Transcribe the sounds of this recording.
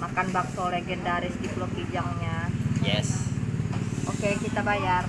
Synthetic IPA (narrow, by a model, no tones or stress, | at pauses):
makanbak̚soleɡɛndaɾɪsd̪iplopid͡ʒaŋɲajɛ̰s | ʔokekit̪abajar